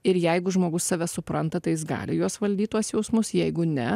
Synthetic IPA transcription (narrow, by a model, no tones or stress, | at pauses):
ɪɾjɛɪɡʊʒmoːɡʊsːɑːʋʲɛsʊpɾɐnt̪ɐt̪ɐɪjɪsɡɑ̰ːlʲɪjoɔsʋɐlʲd̪ʲiːt̪uɔsjɛʊsmʊsjɛɪɡʊnʲɛ